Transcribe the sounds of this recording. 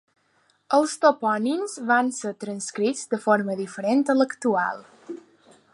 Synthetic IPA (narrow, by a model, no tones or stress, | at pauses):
əlˠst̪opɔninzβansəɾt̪ɾənskɾid͡zd̪əfoɾməðifəɾent̪ələkt̪ua̰lˠ